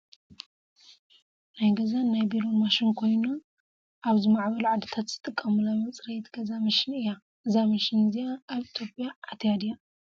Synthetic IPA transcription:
najɡɐzanajbiɾomaʃɪnkʰo̞jnu | ʔaβzimaʕbɐlʕad̪ɨt̪ʰat̪z̥ɨt̪ʼɨkʼːɐmunajmɐt͡sʼɾɐjt̪ɡɐzamɨʃɪnɨjːa | ʔɨzamɐʃɪnzijaːβit̪ʰjo̞pʼjaʔːt̪ʰjad̪ja

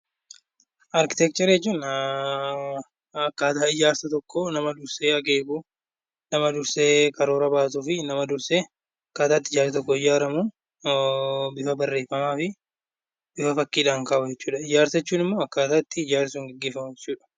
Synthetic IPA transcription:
ʔɐɾkɪ̥t̪ɛk̚t͡ʃ̪ɛɾjɛt͡ʃːuːn | ɐkːaːt̪aːɪd͡ʒaːɾsɐt̪ɔkːonɐmɐd̪ʊɾseːɐkeːɡuː | nɐmɐd̪ʊɾseːkɐɾoːɾɐbaːs̬uːfɪnɐmɐd̪ʊɾseː | ɐkːaːt̪aːt̪ːɪd͡ʒaːɾsɐt̪ɔkːɔɪd͡ʒaːɾɐmuː | bɪfɐbɐrːe̞ːfːɐmaːfɪ | bɪfɐfɐkːiːᶑaːŋkaːbʊd͡ʒɛt͡ʃːuːᶑɐɪd͡ʒaːɾsɐɛt͡ʃːuːnɪmːoːɐkːaːt̪aːt̪ːɪɪd͡ʒaːɾsuːŋɡɛɡːeːfɐmʊjɛt͡ʃːuːᶑɐ̥

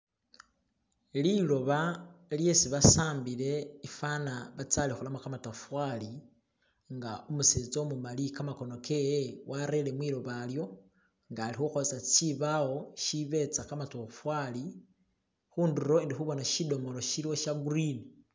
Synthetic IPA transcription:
lilo̞βalje̞siβasaːmbile̞ifanaβat͡salixulamakamatafwali | ŋɡaumuseːt͡so̞mumalikamako̞no̞kʰejewʔaɾe̞le̞mwiːlo̞βaljo̞ | ŋɡaːlixuxosat͡siβawo̞ʃiβe̞t͡sakamatofwali | xuːnduɾo̞indixuβo̞naʃido̞mo̞loʃiliwoʃaɡuɾini

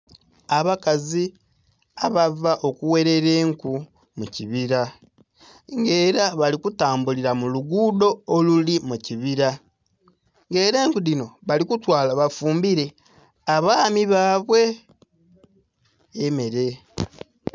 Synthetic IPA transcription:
aβakazi | aβavaʔo̞kuwe̞ɾe̞ɾe̞ːŋku | muciβiɾa | ŋɡe̞ːɾaβalikutaːmbuliɾamuluɡuːdo̞ːlulimuciβiɾa | ŋɡe̞ːɾe̞ːŋkuðino̞βalikutwaːlaβafuːmbiɾe̞ | aβaːmiβaːβwe̞ | me̞ɾe̞

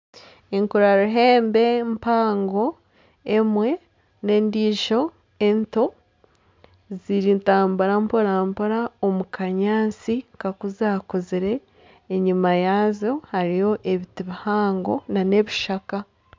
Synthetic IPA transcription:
eŋkuɾaɾuɦe̞ːmbe̞mpaːŋɡo̞ | emwe̞ | ne̞ːndiːʒo̞ | ento̞ | ziɾintaːmbaɾampoɾampoɾaomukaɲaːt͡sikakuzaːkoziɾe̞ː | ɲimajaːzo̞haɾijo̞ʔeβitiβihaːŋɡo̞nane̞βiʃaka

